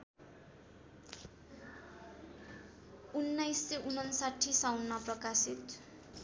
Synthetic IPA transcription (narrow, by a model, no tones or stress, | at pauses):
unːajseʔunʌnsaʈʰːisawnːaprʌkasit̪